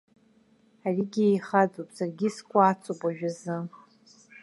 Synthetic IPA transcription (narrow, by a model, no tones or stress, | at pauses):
ariɡʲiejχad͡zʼopʼsarɡʲiskʷʼaːt͡sʷʼopʼaʒᶣazɨ